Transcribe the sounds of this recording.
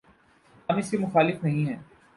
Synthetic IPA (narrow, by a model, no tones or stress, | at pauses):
aːmɪskemʊxaːlɪfnɐɦĩɦɛ̃ː